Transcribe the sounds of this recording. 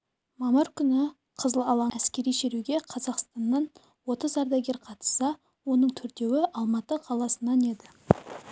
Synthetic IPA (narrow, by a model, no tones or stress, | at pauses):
mɑməɾkʲʰʏnɪ | qʰəzəlˠɑlˠɑæskʲe̞ɾijʃeɾuɡʲe̞qʰɑzɑqst̪ɑnːɑn | wo̞t̪əzɑɾd̪ɑjɡʲeɾqʰɑt̪ə̥sɑ | wo̞nəɴt̪ʰʏɾd̪e̞wɪʔɑlˠmɑt̪əqʰɑlˠɑsənɑne̞d̪ɪ